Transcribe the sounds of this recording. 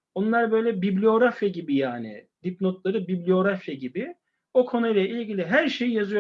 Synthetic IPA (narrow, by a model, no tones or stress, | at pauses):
onlˠaɾbø̞jlʲɛbiblʲio̞ɾafjaɟibijaːnɪ̰d̪ip̚not̪lˠaɾɯbiblʲio̞ɾafjaɟibɪ | o̞kʰo̞nujlˠɛilʲɟilʲiɦæɾʃejjazɯjo